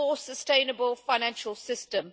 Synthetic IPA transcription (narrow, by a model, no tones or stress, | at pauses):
ɔsəstẽɪ̃nəbəlˠfaɪnæ̃nʃəlˠsɪstə̃m